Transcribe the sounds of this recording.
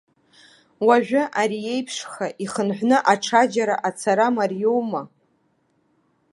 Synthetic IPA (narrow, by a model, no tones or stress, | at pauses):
waʒᶣʷʊʔaɾije̞jpʰʂχaʔiχənħʷnɨʔaʈ͡ʂʰad͡ʒaɾaʔat͡sʰaɾamarjowma